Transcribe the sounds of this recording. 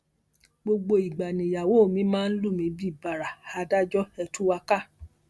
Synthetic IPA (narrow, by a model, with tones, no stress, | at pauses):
ɡ͡bo˧ɡ͡bo˧i˨ɡ͡ba˨nĩ˨ja˨wo˨˦o˦˨mĩ˨˦mãː˦˧n̩˦lu˦˨mĩ˧˦bi˦˨ba˨ɾa˨ha˧da˦d͡ʒɔ˦ɛ˧tu˦wa˧ka˦˨